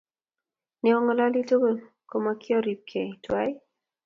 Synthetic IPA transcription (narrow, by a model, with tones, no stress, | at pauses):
ne˨ɔ˦ŋɔ˨la˦li˦to˦ɡo˨ | ko˨ma˨kɪ˦ɔ˦ɾi˨p̚kʰe˨twa˦i˦